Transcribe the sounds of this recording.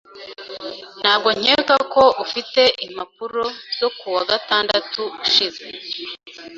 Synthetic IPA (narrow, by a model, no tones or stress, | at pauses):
n̥haːb̚ɡo̞ɲ̥eːkako̞ʔufite̞ʔimap̚uɾo̞z̥o̞kuwaɡataːndatuuʃize̞